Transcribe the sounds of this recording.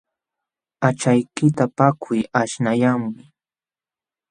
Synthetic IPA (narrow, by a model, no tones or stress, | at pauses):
at͡ʃajkɪt̪apakʰʊjaʃnajamʊj